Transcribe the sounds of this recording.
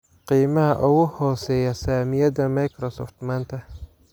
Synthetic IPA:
qiːmɐɦɐʔʊɣʊhɔːsɛːjɐsaːmɪjɐdɐmɐjkʰɾɔsɔ̰ːft̪maːnt̪ʰɐ

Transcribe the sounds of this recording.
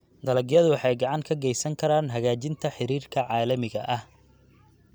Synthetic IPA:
d̪ɐlɐɡjɐðʊwɑħɑjɡɑʕɑŋkʰɐɡɛjsɐŋkʰɐɾaːnɦɐɣaːt͡ʃɪnt̪ʰɐħɪɾiːrkʰɐʕɑːlɐmɪɣɐʔɐh

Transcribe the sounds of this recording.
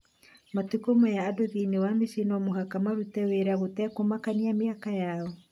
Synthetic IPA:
matukomɔjaːdoðinewamiʃinɔmoɦakamaɾutɛweɾaɣotɛkomakaniameakajaɔ

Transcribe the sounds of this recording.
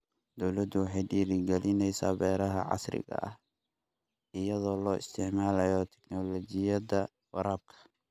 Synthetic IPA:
d̪ɔwlɐd̪ʊwɑħɑjɖiːɾɪɡɛlɪnɛjsa̰ːbɛːɾɐɦɐ̰ʕɑ̰srɪ̰ɣɐ̰ʔɐh | ɪjɐðɔːlɔːʔɪ̰st̪ʰɪʕmaːlɐjɔt̪ʰɛ̥knɔlɔt͡ʃɪjɐðɐ | wɑɾaːb̚kʰɐ̥

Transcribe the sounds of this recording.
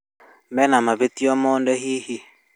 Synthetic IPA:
mɛnamaβet̪iɔmɔndɛɦihi

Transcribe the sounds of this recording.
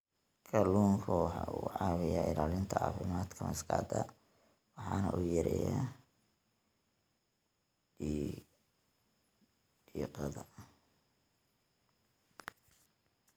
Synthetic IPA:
kʰɐluːŋkʰʊħuʕɑːwɪjaːʔɪlaːlɪnt̪ʰɐɑ̰ːfɪmaːd̪kʰɐmɐskʰaːd̪ɐ | wɑħɑːnɐʔʊjɐɾɛja | iqɑðɐ

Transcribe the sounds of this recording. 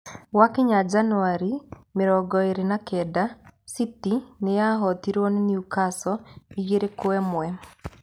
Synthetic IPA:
wakiɲad͡ʒanuaɾi | mɪɾɔɡɔeɾenakɛdasitinejaɦɔt̪iɾwɔniniukasɔiɡeɾekoɛmʊwɛ

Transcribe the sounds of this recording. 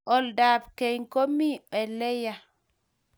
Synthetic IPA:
ʔɔldaːbkejŋkomːiɓɛlɛja

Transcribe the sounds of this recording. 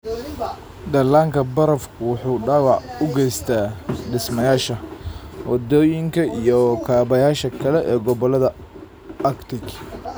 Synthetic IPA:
d̪ɐlaːŋkʰɐbɐɾɐfkʰʊwʊħuːɖaːwɑʕʊɡɛjst̪ʰaːɖɪsmɐjaːʃɐwɑd̪ɔːjɪŋkʰɐijɔkʰaːβɐjaːʃɐkʰɐlɛʔɛːɡɔβɔlɐðɐ | ɐkt̪ʰɪk

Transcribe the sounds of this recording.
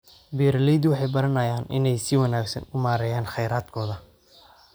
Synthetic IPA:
biːɾɐlɛjd̪wɑħɑjbɐɾɐnɐjaːnʔɪ̰nɛjsɪwɐnaːɡsɐ̰nʊmaːɾɛjaːnχɛjɾaːd̪̥kʰɔːðɐ

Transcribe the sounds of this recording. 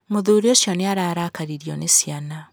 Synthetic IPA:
moðuːɾiosjɔneaɾaːɾakaɾiɾiɔnesiana

